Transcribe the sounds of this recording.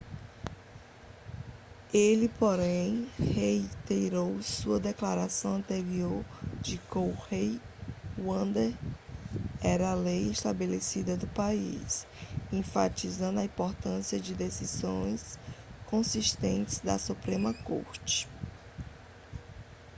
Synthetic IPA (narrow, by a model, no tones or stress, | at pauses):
elɪpoɾẽj̃heit̪eɾowsuɐd̪eklaɾasɐ̃w̃ɐ̃nt̪eɾioɾd͡ʒɪkohej | wɐ̃nd̪ɛɾ | ɛɾɐːlejeʃt̪abelesid̪ɐd̪ʊpaḭs | ẽfat͡ʃizɐ̃nd̪ʊɐĩmpoɾt̪ɐ̃siɐd͡ʒɪd̪esizõj̃skõsiʃt̪ẽnt͡ʃɪ̥zd̪ɐ̰supɾẽmɐko̰ɾt͡ʃɪ̥